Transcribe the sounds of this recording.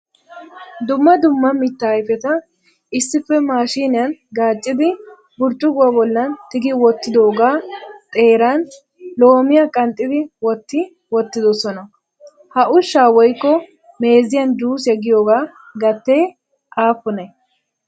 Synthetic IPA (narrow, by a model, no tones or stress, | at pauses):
d̪ʊmːɐd̪ʊmːɐmɪt̪ːaːjfɛt̪ɐ | ɪsːɪpːɛmaːʃiːnɪjɐnɡaːt͡ʃʼːɪd̪ɪ | bʊɾt͡ʃʼːʊɡʊwɐbɔlːɐnt̪ɪɡɪwɔt̪ːɪd̪o̞ːɡaːt̪ʼe̞ːɾɐn | lo̞ːmɪjɐkʼɐnt̪ʼːɪd̪ɪwɔt̪ːɪ | wɔt̪ːɪd̪ɔsɔnɐ | hɐʔʊʃaːwɔjkːɔ | me̞ːzɪjɐnd͡ʒuːsjɛɡɪjo̞ːɡaː | ɡɐt̪ːe̞ː | ʔaːpːʊnɐ